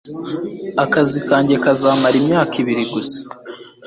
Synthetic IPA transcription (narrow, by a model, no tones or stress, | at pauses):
akazikaːɲɟe̞kazaːmaɾimɲaːkiβiɾiɡusḁ